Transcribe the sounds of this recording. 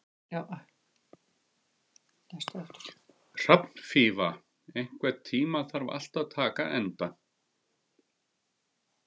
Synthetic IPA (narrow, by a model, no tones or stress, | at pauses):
a | st̪ɛft̪ | r̥apn̥fiːva | ejŋ̥kvɛt̪ʰiːmaθaɾva̰l̥t̪aðt̪ʰaːka̰ʔɛnt̪an